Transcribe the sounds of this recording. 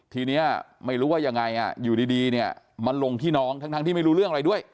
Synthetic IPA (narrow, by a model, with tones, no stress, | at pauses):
t̪ʰiː˧niː˦˥ɐma˥˩jɾuː˦˥waː˥˩ja˧ŋːa˧jʔa̰˨˩juː˨˩diː˧diː˧ni˥˩ɐ | ma˧nlo˧ŋt̪ʰiː˥˩nɔː˦˥ŋt̪ʰa˦˥ŋt̪ʰa˧t̪ʰiː˥˩ma˥˩ɾu˦˥ɾɯ˥˩əŋʔɾa˧jdu˥˩əj